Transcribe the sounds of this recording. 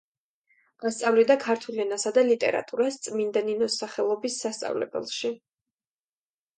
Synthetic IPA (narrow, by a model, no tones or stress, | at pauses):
ast̪sʼavlid̪akʰaɾt̪ʰulɛnasad̪alit̪ʼɛ̰ɾa̰t̪ʼuɾast̪sʼmind̪aninɔsaχɛlˠɔbisːast̪sʼa̰vlɛ̰bɛ̰lˠʃi